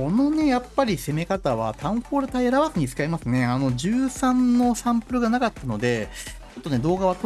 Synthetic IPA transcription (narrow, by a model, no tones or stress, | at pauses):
o̞no̞ne̞japːaɾʲise̞me̞kat̪aβa̰t̪ʰãɰ̃ɸoːɾɯ̟t̪aiaɾaβazɨɲ̟it͡sɨ̥kaimasɨne̞ano̞ʑɨːsãnnːo̞ɕãmpɯ̟ɾɯ̟ɡanakat̪ːano̞d̪e̞ | o̞t̪ːone̞d̪o̞ːɡaβat